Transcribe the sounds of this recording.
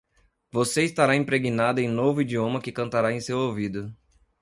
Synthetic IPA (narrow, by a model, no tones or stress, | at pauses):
voseist̪aɾaĩpɾeɡinad̪ʊẽj̃novʊid͡ʒiõmɐkɪkɐ̃nt̪aɾaẽj̃sewowvid̪ʊ